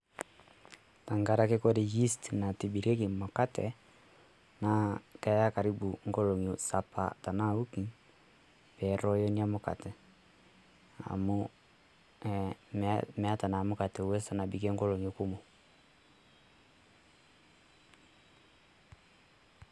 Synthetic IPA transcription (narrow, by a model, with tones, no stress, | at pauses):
ta˨ŋɡa˦ɾa˦ke˦kɔ˦ɾe˨ji˦stna˨ti˨bi˨ɾɛ˦ke˨mɔ˨ka˦tɛ˨ | na˦kɛ˦ja˦ka˨ɾi˦bu˨ŋɡɔ˦lɔ˨ŋ˨o˨sa˨pa̰˨ta˨na˦u˦ki˨ | pɛ˨˦ɾɔ˦jɔ˦ni˦a˦mo˨ka̰˨tɛ˨ | a̰˨mo | ɛmmɛ˨a˦ta˨na˨mo˦ka˨tɛ˨wɛ˦sa˦na˨bi˨kɛ˦ŋɡɔ˦lo˨ŋo˨ku˦mo˨